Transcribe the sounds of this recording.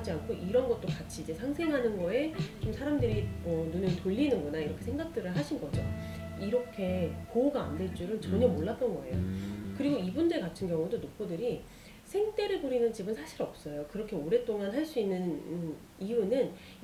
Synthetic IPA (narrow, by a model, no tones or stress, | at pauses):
d͡ʑiankʰoʔiɾʌnɡʌt̚t͈okat͡ɕʰiːd͡ʑe̞sʰaŋsʰe̞ŋɦanɯnɡʌe̞t͡ɕomsʰaɾamdɯɾiʌnunɯtoʎːinɯnɡʌnaiɾʌkʰe̞sʰe̞ŋɡak̚t͈ɯɾɯɭɦaɕʰinɡʌd͡ʑo̰ | iɾʌkʰe̞kouɡaːndeɭt͡ɕ͈uɾɯnt͡ɕʌɲʌmoɭːat̚t͈ʌnɡʌe̞̰jo̰kɯɾiɡoibundekatʰɯnɡjʌŋudonopʰodɯɾi | sʰe̞ŋt͈e̞ɾɯɭpuɾinɯnt͡ɕibɯnsʰaɕʰiɾʌp̚s͈ʌjokɯɾʌkʰe̞oɾe̞t͈oŋanɦaɭs͈uinːɯn | iunɯn